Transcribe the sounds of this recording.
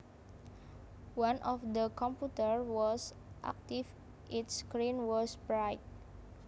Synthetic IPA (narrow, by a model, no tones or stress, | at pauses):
wãnʔɔfdəkʰɔ̃mputəɹwɔs | ʔa̰k̚tif | ʔitskɹĩnwɔsbɹajt̚